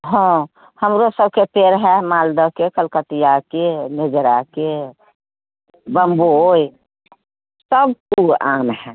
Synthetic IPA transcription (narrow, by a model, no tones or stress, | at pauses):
ɦɔ̃ | həmɾosəb̚kepeɾɦɛmaːld̪əkekəlkət̪ijakened͡ʒɾake | bəmboi | səb̚kuaːmɦɛ